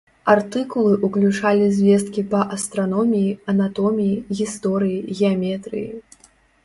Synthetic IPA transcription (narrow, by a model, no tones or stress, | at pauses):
art̪ɨkulˠɨʔuklʲut͡ʂalʲizʲvʲɛs̬t̪̚kʲipɐʔɐst̪ɾanɔmʲijiɐnat̪ɔmʲijiɣʲist̪ɔɾɨjiɣʲɛamʲɛt̪ɾɨ̰jḭ